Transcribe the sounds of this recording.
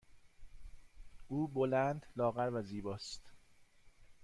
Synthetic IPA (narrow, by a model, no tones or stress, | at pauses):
ʔuːbolænd̪lɒːɣæɾvæziːbɒːst̪